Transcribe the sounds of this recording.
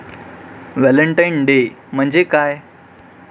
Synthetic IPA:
ʋɛləɳʈajnɖe | m̤əɳd͡ʑekaːj

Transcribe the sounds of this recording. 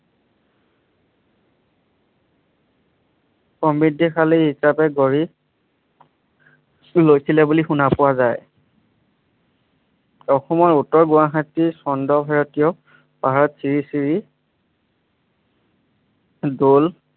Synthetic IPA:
pɔmbɹidʱːixʰaliɦisapɛɡoɹi | lojsilɛbulixunapʊwazaj | ɔxɔmɔɹutːɔɹɡuwaxatːisɔndɔbʱaɹɔtijɔ | paɦaɹɔtsiɹisiɹi | dol

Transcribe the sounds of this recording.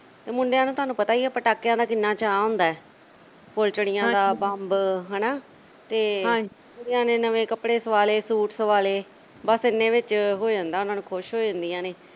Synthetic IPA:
t̪eːmʊɳɖejãːnũːt̪ʊaːnũːpət̪aːiɛːpəʈaːkːjãːd̪aːkɪnːaːt͡ʃaːõːnd̪aːɛː | polt͡ʃɽɪjãːd̪aːbə̃mbɦɛnaː | t̪eː | ʊɖejãːneːnəʋẽːkəpɽeːsəʋaːleːsuːʈsəʋaːleː | bəsɪnːẽːʋɪt͡ʃɦoːd͡ʒãːnd̪aːʊnãːnũːkʰʊʃɦoːd͡ʒãːnd̪ijãːneː

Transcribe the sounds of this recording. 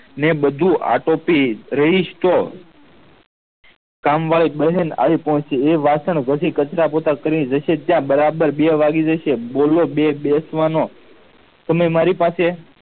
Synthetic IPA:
neɓəd̪ʱũʔa̰ʈopiɾəɦiʃt̪o | kamʋaɭiɓəɦena̰ʋipɔɦɔ̃t͡ʃt͡ʃeeʋasəɳ̃ɡʱəsikət͡ʃɾapot̪akəɾiid͡ʒəʃet̪jãbəɾabəɾɓeʋaɡid͡ʒəʃebolobebesʋano | t̪əməjmaɾipase

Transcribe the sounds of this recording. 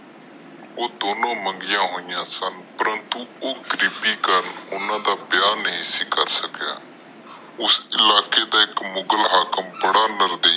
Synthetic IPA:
oːd̪oːnõːmə̃ŋɡɪjãːɦoːɪjãːsənpəɾənt̪uːoːɡɾɪːpiːkəɾənʊnãːd̪aːpjaːniɪsiːkəɾsəkja̰ː | ʊsɪlaːkeːd̪aːɪkmʊɡəlɦaːkəmbəɽaːnəɾd̪eː

